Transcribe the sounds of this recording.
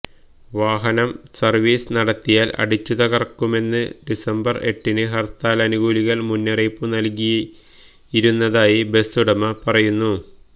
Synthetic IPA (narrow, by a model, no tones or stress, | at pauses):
ʋaːɦɐnɐmsɐrʋiːsnɐɽɐt̪ːijaːlɐ̰ɽit͡ɕːuðɐɣɐrkːume̞nːɨ̰ɖisɐmbɐre̞ʈːinɨɦɐrt̪aːlɐnuɣuːliɣɐlmunːɐrejpːunɐlkij | iɾunːɐðaːjibe̞st̪uɽɐmɐpɐrɐjunːu